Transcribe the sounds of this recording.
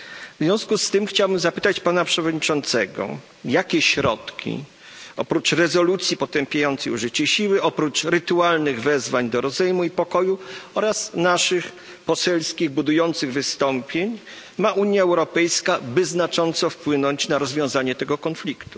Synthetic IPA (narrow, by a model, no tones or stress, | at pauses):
vzvʲjɔ̃w̃skust̪ɘmxt͡ɕawbɘmzapɘt̪at͡ɕpanapʂɛvɔd̪ɲit͡ʂɔnt̪sɛɡɔ̰ | jakʲɛɕɾɔt̪kʲḭ | ɔpɾut͡ʂɾɛzɔlut̪sʲjipɔt̪ɛmpʲjajɔnt̪sɛjuʐɘt͡ɕɛɕiwɘʔɔpɾut͡ʂɾɘt̪ualnɘɣvɛzvaɲd̪ɔɾɔzɛjmuipɔkɔjuɔɾasnaʂɘx | pɔsɛlskʲiɣbud̪ujɔnt̪sɘɣvɘst̪ɔmpʲjeɲ | maʔuɲjaɛwɾɔpɛjskabɘznat͡ʂɔnt̪sɔfpwɘnɔɲt͡ɕnaɾɔzvʲjɔ̃w̃zaɲɛt̪ɛɡɔkɔnflʲikt̪u̥